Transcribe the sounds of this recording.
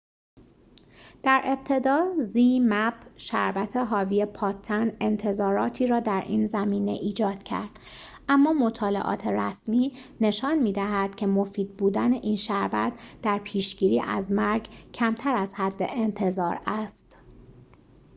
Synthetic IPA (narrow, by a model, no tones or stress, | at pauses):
d̪̥æɾʔe̞b̚t̪ʰe̞d̪ɒːziːmæbʃæ̰ɾbæt̪ʰe̞ɦɒːviepʰɒːt̪ʰːæne̞nt̪ʰe̞zɒːɾɒːt̪ʰiːɾɒːd̪æɾʔiːnzæmiːne̞̰ʔiːd͡ʒɒːd̪̥cʰæ̰ɾd̪̥ | ʔæmːɒːmo̞t̪ʰɒːle̞̰ʔɒ̰ːt̪ʰe̞ɾæsmiːne̞ʃɒːnmiːd̪æɦæd̪̥̚cʰe̞mofiːd̪̥̚buːd̪æne̞ʔiːnʃæɾbæ̰t̪d̪̥æɾpʰiːʃɟ̥iːɾiːʔæ̰zmæɾɡcʰæmt̪ʰæɾæz̥hæd̪ːeʔent̪ʰe̞zɒːɾæst̪